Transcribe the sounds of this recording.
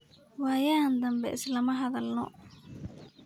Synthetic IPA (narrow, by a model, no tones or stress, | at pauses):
wɑːjaːnd̪ɐmbɛʔɪslɐmɐɦɐðɐlnɔ̰